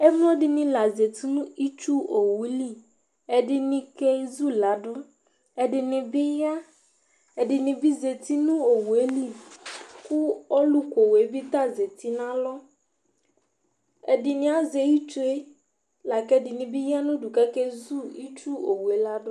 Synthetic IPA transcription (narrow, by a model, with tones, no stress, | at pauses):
e˦mũ˦o˦ɖɪ˨nĩ˦la˨ze˨t̪i˦nũ˦i˦t͡ʃu˦o˨wu˨˦li˦ | ɛ˨ɖɪ˨nĩ˨kɛ˦zu˦la˨˦ɖʊ˦ | ɛ˨ɖɪ˨nɪ̃˨bɪ˦ja˦ | ɛ˨ɖɪ˨nĩ˨bi˦ze˨t̪i˦nũ˦o˨wu˨e˦li˦ku˦ɔ˦lu˦ko˨we˨˦bi˦t̪a˦ze˨t̪i˦nã˦lɔ˦ | ɛ̰˨dɪ˨nɪ̃˨˦a˦ze˨ji˦t͡ʃu˦e˦ | la˨kɛ˦dɪ˨nĩ˨bi˦ja˦nũ˦ɖu˨kɛ˦ke˦zu˦i˦t͡ʃu˦o˨wu˨e˦la˦ɖʊ˦